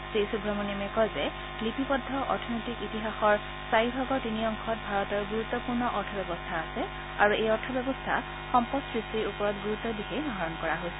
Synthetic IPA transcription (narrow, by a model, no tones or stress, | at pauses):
sejsubʱɹɔmɔniɔmɛkɔjzɛ | klipipɔdʱːɔʔɔ̰ɹtʰɔnojtikitiɦaxɔɹ | saɹibʱaɡɔtiniɔŋkʰɔt̚bʱaɹɔtɔɹɡuɹutːɔpuɹnɔʔɔɹtʰɔbɛbɔstʰaːsɛ | aɹuejɔɹtʰɔbɛbɔstʰa̰ | xɔmpɔsɹistiɹupɔɹɔtɡuɹut̪ːɔdikʰejnɔɦaɹɔnkɔɹaɦojsɛ